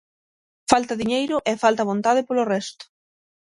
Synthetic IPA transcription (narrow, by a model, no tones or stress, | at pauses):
falt̪ɐðiɲejɾʊʔɛfalt̪ɐβont̪aðɪpolorɛst̪ʊ̥